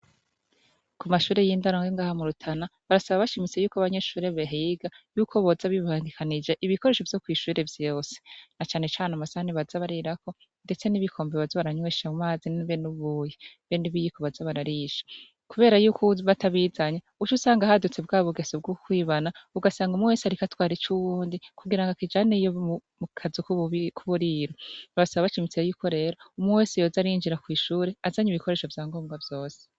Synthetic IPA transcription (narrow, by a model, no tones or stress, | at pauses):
kumaʃuːɾe̞jiːndaɾoːŋɡeŋɡaːhamuɾutʰanaβaɾasaβaβaʃimit͡se̞juːkoaβaɲe̞ʃuːɾe̞βeɦijiɡajuːkʰo̞βozaβiβaːnɡikʰanid͡ʒe̞ʔiβiko̞ɾe̞ːʃo̞vjo̞kwiːʃuːɾe̞vjo̞ːse̥nat͡ʃaːne̞t͡ʃaːnamasahaniβazaβaɾiɾako̞ | nde̞t͡se̞niβikʰo̞ːmbeβazoβaɾaɲweʃamumaːziniβenuβuːjeβeniβijikoβazaβaɾaɾiʃḁ | kuβe̞ːɾajuːkʰoβataβiːzaɲeut͡ʃusaːŋɡahadut͡se̞bɡaːβuɡesob̚ɡukwiːβanauɡasaːŋɡumuwesaɾikatwaːɾit͡ʃuβuːndikʰuɡiɾaŋɡakid͡ʒaːnejoumukʰazikukʰuβuɾiːɾoaβasaβaβat͡ʃimit͡sejuːkʰo̞ɾe̞ːɾo̞umuwesijoːzaɾiːnd͡ʒiɾakwiːʃuːɾeazaɲiβiko̞ɾe̞ːʃo̞vjaːŋɡoːmɡavjo̞ːse̥